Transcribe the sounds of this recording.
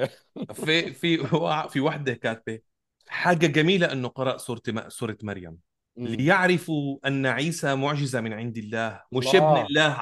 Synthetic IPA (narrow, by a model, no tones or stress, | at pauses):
fifiwafiwaħd̪ɪkaːt̪̚be | ħaːɡaɡamiːlaʔɪnːʊqɑɾˤɑʔsuːɾˤt̪suːɾˤt̪maɾja̰m | lɪjɪʕɾɪfuʔanːaʕiːsamʊʕʒɪzamɪnʕɪnd̪ɪlːaːhwɪʃɪbnɪlːaːh